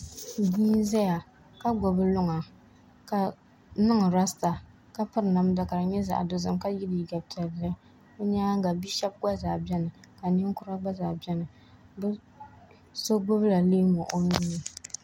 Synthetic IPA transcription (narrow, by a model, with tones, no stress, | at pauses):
diː˦n˦zɛ˦ja˨ | ka˦ɡɔ˨bɨ˦lʊ˦ŋa˨ | ka˨ | nɨ˦ŋ˨ɾa˦sta˨ | ka˦pɨ˦ɾna˦m˦da˨ka˨ɾa˨ɲɛ˦za̰˨do˨zɨ˨mka˦ji˦di˨i˨ɡa˨btɛ˨ba˦ | bɛ˦ɲaː˦ŋ˦ɡa˨bi˦ʃɛ˦b̚ɡa˦zaː˨bɛ˦nɨ˨ka˨ni˦ŋ˦kʊ˦ɾa˦ɡ͡ba˦zaː˨bɛ˦nɨ˨ | bɨ˦ | so˦ɡ͡bʊ˦bla˨leː˦mɔ˨ʔo˨mi˦nɨ˨